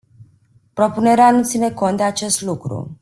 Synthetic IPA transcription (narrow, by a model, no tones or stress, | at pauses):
pɾo̞pune̞ɾeanut̪sine̞ko̞nt̪̚d̪eat͡ʃe̞st̪lukɾṵ